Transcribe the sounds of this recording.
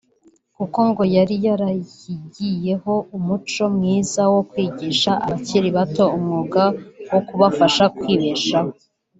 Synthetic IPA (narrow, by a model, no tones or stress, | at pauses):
kuko̞ŋɡo̞jaɾijaɾajiɟije̞ho̞umut͡ʃo̞mŋiːzawo̞kwiːɟiːʃaʔa̰βaciɾiβato̞umŋuːɡawokuβafaʃakwiːβe̞ʃaho̞